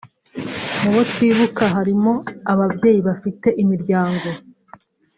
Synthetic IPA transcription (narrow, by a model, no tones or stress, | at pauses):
muwotiːβukaɦaɾimo̞aβabɟe̞ːjiβafite̞ʔimiɾɟaːŋɡo̞